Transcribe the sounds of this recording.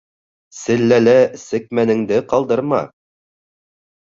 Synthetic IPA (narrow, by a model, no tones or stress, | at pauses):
sɘ̆lːælæsɘ̆k̚mænɘ̆ŋd̪ɘqɑlˠd̪ɤɾmɑ̰